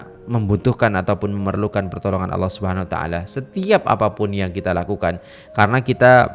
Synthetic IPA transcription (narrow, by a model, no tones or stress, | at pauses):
məmbut̪ʊhkanat̪awpʊnməmərlukanpərt̪ɔlɔŋa̰nʔɑ̰lːɑhsubəɦanawat̪a̰a̰lasət̪iap̚ʔa̰papʊnjaŋkit̪alakukan | kaɾənakit̪a